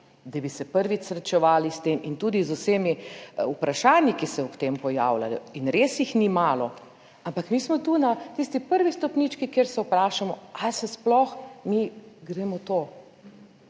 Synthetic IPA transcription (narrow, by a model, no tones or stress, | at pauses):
d̪abisɛpəɾʋit͡ʃsɾɛt͡ʃɛʋaːlist̪eːmint̪uːd̪izʊseːmiupɾaʃaːnjikisɛɔpt̪eːmpɔja̰ːwla̰lɔinɾesjixnimaːlɔ | ampakmiːsmɔt̪uːnat̪ist̪ipəɾʋist̪ɔpniːt͡ʃkikeːɾsɛupɾaːʃamɔalsɛsplɔxmiɡɾɛːmɔt̪oː